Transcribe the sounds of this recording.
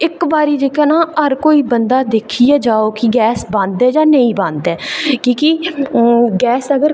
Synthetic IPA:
ɪkbaːɾiːd͡ʒeːkaːnãːəɾkoːiːbənd̪aːd̪eːkʰiɛːd͡ʒaːoːkɪɡɛːsbãːnd̪ɛːd͡ʒãːnəĩːbãːnd̪ɛːkĩːki | ɡɛːsəɡəɾ

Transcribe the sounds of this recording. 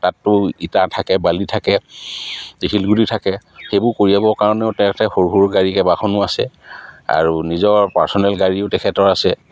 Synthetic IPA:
tatːʊitatʰakɛbalitʰakɛ | zikʰilɡulitʰakɛxebʊɹkoɹiabɔkaɹɔnɛʊtɛtɛxoɹɦuɹɡaɹikɛbaxɔnʊasɛ̰a̰ɹunizɔɹpaɹsɔnɛlɡaɹiʊtɛkʰɛtɔɹasɛ

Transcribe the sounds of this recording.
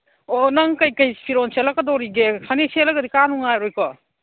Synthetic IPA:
ɔnɐŋkɐjkɐjpʰiɾɔnselɐkɐdɔɾiɡekʰaneselɐɡɐdikanuŋajɾɔjkɔ

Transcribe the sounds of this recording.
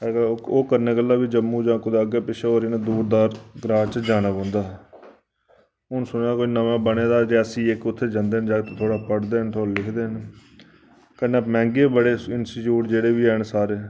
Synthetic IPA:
ɦɛːɡaoːkəɾneːkəlːaːbiːd͡ʒəmːũːd͡ʒãːkʊd̪aːəɡeːpɪʃəoːɾɪnãːd̪uːɾd̪aːɾɡɾaːt͡ʃd͡ʒaːñəbə̃ːnd̪aː | ɦʊnsʊnːaːkoinəʋãːbəneːd̪aːd͡ʒeːəsĩːɪkʊt̪ʰːeːd͡ʒãːnd̪eːnd͡ʒaːt̪ːt̪ʰoːɽaːpəɽd̪eːɦənt̪ʰoːlːlɪkʰd̪eːɦn | kənaːmɛ̃ːŋɡeːbəɽeːɪnsʈiːʈjuːʈd͡ʒeːɽeːbiːɛːnsaːɾeː

